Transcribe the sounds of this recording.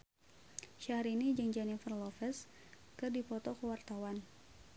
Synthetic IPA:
ʃahɾinid͡ʒɨŋd͡ʒɛnifərlɔfɛs | kərdipɔt̪ɔkəwart̪awan

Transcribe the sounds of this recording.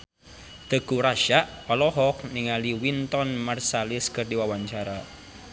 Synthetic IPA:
d̪̥ə̤ɡ̥uɾaʃaʔpalɔɦɔk̚niŋaliwint̪ɔnmarsalɪskərdiwawaɲt͡ʃaɾa

